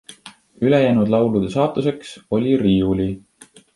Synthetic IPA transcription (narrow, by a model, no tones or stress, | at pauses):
yle̞jæːnud̪̥lɑwlud̪̥e̞sɑːt̪ːˑuse̞kso̞lʲiriːuli